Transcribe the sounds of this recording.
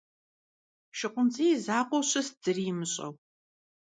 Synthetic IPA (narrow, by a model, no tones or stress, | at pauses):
ʃɪqʷʼʊnt͡sʼijzaːqʷɔɕɐsd͡zɨrimɨɕʼɐ̰w